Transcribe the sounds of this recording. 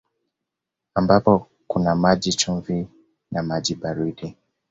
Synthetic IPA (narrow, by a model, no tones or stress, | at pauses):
ambapɔ | kunamaʄit͡ʃuɱvi | namaʄiɓaɾuɗi